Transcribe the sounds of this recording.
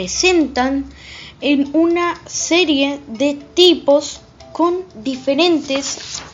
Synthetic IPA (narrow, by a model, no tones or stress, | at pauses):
esẽ̞nt̪anenunaseɾjeðet̪ipos | ko̞nd̪ifeɾẽ̞nt̪es